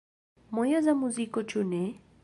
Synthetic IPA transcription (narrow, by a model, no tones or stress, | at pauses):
mɔjazamuzikɔt͡ʃunɛ